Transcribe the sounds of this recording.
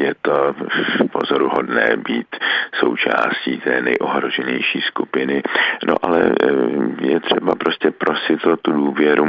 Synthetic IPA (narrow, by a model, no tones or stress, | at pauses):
jɛt̪opo̞̰zoɾuɦo̞dnɛ̰ːbiːt̪so̞̰wt͡ʃa̰ːsciːt̪ɛːnɛjʔoɦɾo̞ʒɛɲɛjʃiːskupɪnɪno̰ʔalɛ̰ | jɛt̪r̝̥ɛbapɾo̞scɛpɾo̞sɪt̪t̪uduːvjɛɾu